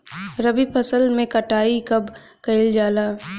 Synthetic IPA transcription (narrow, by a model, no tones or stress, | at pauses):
ɾɐbipʰɐsəlmẽkɐʈaːikɐb | kɐɪld͡ʒaːlaː